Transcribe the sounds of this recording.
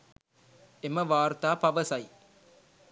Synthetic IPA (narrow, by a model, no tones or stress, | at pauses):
emɐʋaːɾt̪aːpɐʋɐsɐj